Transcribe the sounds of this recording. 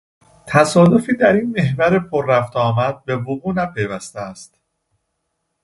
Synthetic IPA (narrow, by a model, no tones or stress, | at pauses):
t̪ʰæsɒːd̪o̞fiːd̪æɾiːnme̞ɦvæɾepʰoɾːæft̪ʰɒːmæd̪̥̚be̞voɣuːnæpʰe̞jvæst̪eæst̪